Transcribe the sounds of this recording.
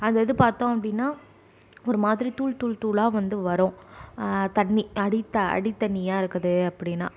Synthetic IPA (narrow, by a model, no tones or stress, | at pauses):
ɐnðɐðɯpaːɾt̪õːɐpːɐɽɪnːaː | ɔɾɯmaːðɪɾit̪uːɭt̪uːɭt̪uːɭaːʋɐnd̪ɯʋɐɾõː | t̪ɐɳːiɐɽɪt̪ːɐɐ̰ɽɪt̪ːɐɳːɪjaːɪɾɯkːɐðɯɐpːɐɽɪnːa̰ː